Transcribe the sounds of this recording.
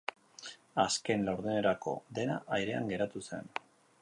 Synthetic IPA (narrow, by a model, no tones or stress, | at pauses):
aske̞nlawɾðune̞ɾako̞̰ðe̞na̰ʔajɾe̞a̰ŋɡe̞ɾat̪use̞̰n